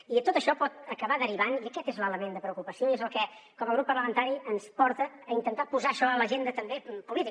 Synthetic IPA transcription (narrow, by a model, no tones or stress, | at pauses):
it̪ot̪əʃɔpɔt̪əkəβaðəɾiβaniəkɛt̪ezlələmend̪əpɾəukupəsioiezəlˠkɛ | kɔməlˠɣɾupːərləmənt̪aɾiʔənspɔɾt̪əːint̪ənt̪apuzaəʃɔələʒend̪ət̪əmbepulit̪i